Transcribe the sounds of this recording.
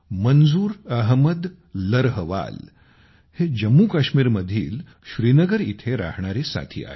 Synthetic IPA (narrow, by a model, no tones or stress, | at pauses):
mənd͡zuːɾəɦməd̪ː | əɾɦəʋa̰l | hed͡ʑəmːukaɕmiːɾməd̪ʱiːl | ɕɾiːnəɡəɾit̪ʰeɾa̰ɦɳ̃aɾesa̰t̪ʰḭːa̰ɦe